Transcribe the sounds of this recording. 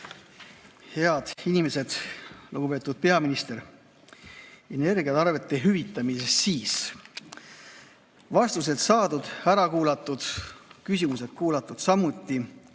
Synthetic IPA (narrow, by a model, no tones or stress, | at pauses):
he̞ɑd̪̥inime̞se̞d̪̥luɡ̥upe̞t̪ːˑud̪̥̚pe̞ɑminist̪e̞ɾ | ene̞rɡiɑt̪ɑrve̞t̪ˑːe̞ɦyvit̪ːˑɑmisessiːs | vɑst̪us̬e̞d̪̥sɑːd̪ud̪̥æɾɑkuːlɑt̪ːˑud̪̥kysʲimuse̞d̪̥kuːlɑt̪ːˑud̪̥sɑmut̪ːˑi